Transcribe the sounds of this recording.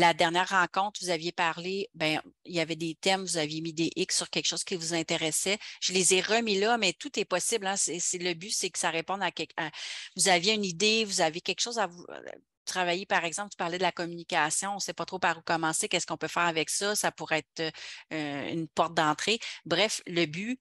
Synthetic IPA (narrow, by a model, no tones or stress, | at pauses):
lad̪ɛʁnjɛːʁːɑ̃kɔ̃t̪χvuzavjepaʁlebɛ̃iljavɛd̪et̪ɛmvuzavjemid̪eʔɪksːyʁkʲɛlkʃoːz̥kʲivuzɛ̃t̪eʁɛsɛʒ̥əlezeʁəmilʌmɛt̪ut̪ɛpɔsɪblɛ̃sɛsɛləbysɛkə̥saʁepɔ̃nakʲɛkavuzavjeynid̪evuzavjekʲɛkʃoːzavṵ | t̪χavajepaʁɛɡzɑ̃pt̪y̥paʁlɛd̪əlakɔmynikʲasjɔ̃ɔ̃sɛpɔt̪ʁopaʁukɔmɑ̃ːsekʲɛskɔ̃pøfɛːʁavɛksʌsapuʁɛɛt̪øøy̰npɔʁt̪̚d̪ɑ̃ːt̪χebʁɛfləby